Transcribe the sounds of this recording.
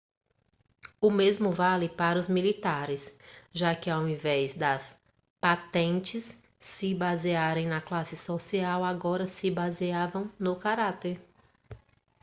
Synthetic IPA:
ʊmezmʊvalɪpaɾɐʊzmilit̪aɾɪsʒakɪawĩvɛzd̪ɐs | pat̪ẽnt͡ʃɪsː | ɪbaziaɾẽj̃nɐklasɪsosiawaɡɔɾɐsɪbaziavɐ̃w̃nʊkaɾat̪eɾ

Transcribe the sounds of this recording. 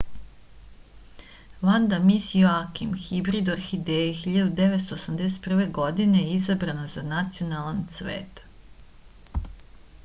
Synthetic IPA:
ʋand̪amisjoakimxibɾid̪aɾxid̪eexiʎad̪ud̪eʋet̪st̪oːsamd̪es̬et̪pr̩ʋeɡo̞d̪inejizabɾanazanat̪sijo̞nalˠansʋḛːt̪

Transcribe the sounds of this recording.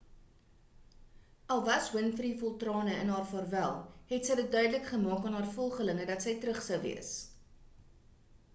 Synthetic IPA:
ʔɐlˠvɐswənfərdifɔlˠtrɑːnəənɦɑːrfɑrvælˠɦɛtsəjdət̚dœɥdələkχəmɑːkɑːnɦɑːrfɔlˠχələŋədɐtsəjtɾəχsəwvḭəs

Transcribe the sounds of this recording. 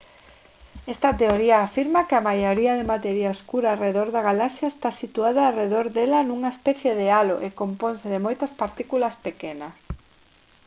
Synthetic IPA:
ɛst̪ɐt̪eoɾiaːfiɾmɐkɪɐmajoɾiɐðemat̪eɾiaoskuɾaːreðoɾðɐɣalasjɐest̪asit̪uaðɐːreðoɾðɛlɐnuŋaespɛθjeðealoʔekomponsɪðɪmojt̪ɐspaɾt̪ikulɐspekenɐ

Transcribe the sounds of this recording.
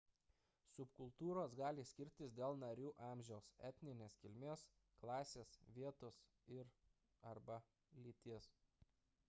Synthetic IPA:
sʊpkʊlˠt̪uːɾoːsɡɑːlʲɪsʲkʲɪɾʲt̪ʲɪsd̪ʲeːlˠnɐɾʲuːʔɑːmʲʒʲɛʊsɛ̰t̪ʲnʲɪnʲeːskʲɪlʲmʲeːs | klˠɑːsʲeːsʋʲiɛt̪ʊs | ɪɾ | ɐɾbɐ | lʲiːt̪ʲiɛs

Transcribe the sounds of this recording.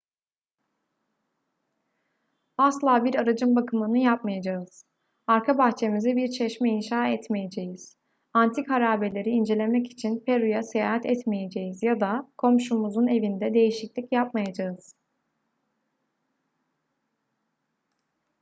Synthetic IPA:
aslˠaːbiɾaɾad͡ʒɯmbakʰɯmɯnɯjap̚majad͡ʒaɯz̥ | aɾkʰabaxt͡ʃʰe̞mizɛbiɾt͡ʃʰɛʃmɛinʃaːɛt̪mejed͡ʒejiz̥ | ant̪ʰikaɾaːbelʲe̞ɾiːnd͡ʒe̞lʲemɛci̥t͡ʃʰinpʰeɾujasejaːɦat̪ʰɛt̪meje̞d͡ʒejizjad̪akʰo̞mʃumuzune̞vind̪ɛd̪e̞jiʃiclʲicjapmajad͡ʒaɯz̥

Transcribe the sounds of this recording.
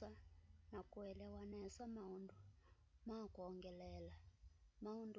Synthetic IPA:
anakʼuɛlɛwanɛsamaundu | makuɔŋɡɛlɛːlamaund

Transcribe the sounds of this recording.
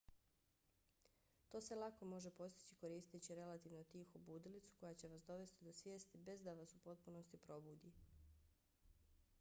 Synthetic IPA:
t̪o̞ːse̞lˠako̞mo̞ʒe̞po̞st̪i̥t͡ɕiko̞ɾiːst̪it͡ɕiɾe̞lat̪iːʋnot̪iːxobuːd̪ilit̪su̥ko̞jat͡ɕe̞ʋasd̪o̞ʋe̞st̪id̪o̞sʋje̞ːst̪ibe̞zd̪aʋasupo̞t̪̚puno̞st̪ipɾo̞buːd̪i

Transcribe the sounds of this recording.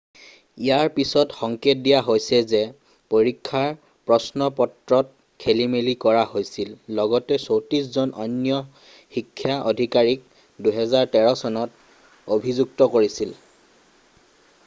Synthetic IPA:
ijaɹpisɔtxɔŋket̚dijaɦojsɛzɛ | poɹikʰːaɹ | pɹɔsnɔpɔtɹɔt̚ | kʰelimelikɔɹahojsilːɔɡɔtɛsowtɹiszɔnɔnjɔ | xikʰːjaʔodʱikaɹik̚ | duɦɛzaɹtɛɹɔsɔnɔt | obʱizuk̚tɔkoɹisil

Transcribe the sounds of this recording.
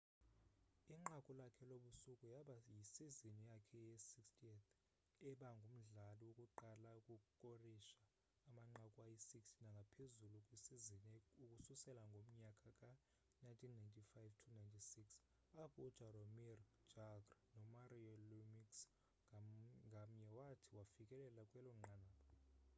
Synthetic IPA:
iŋ͡ǃakʼulakʰɛloɓusukʼujaɓajisizinijakʰɛjesikstʰʼiɛt̪ʰ | ɛɓaŋɡʱum̩ɮaliwokʼuǃalaukʼukʼukʼoriʃaː | maŋ͡ǃakʼuajisikstʰinaŋɡʱapʰezulukʼwisizinukʼususɛlaŋɡʱom̩ɲakʼakʼa | najntʰinːajntʰifajvtʰunajntʰisiks | apʰɔːd̥ʒ̥ʱaromir̥d͡ʒ̥aɡrnɔmariɔlumiks | ŋɡʱam̩ɲɛwatʰiwafikʼɛlɛlakʼwɛlɔŋ͡ǃʱanaːɔ

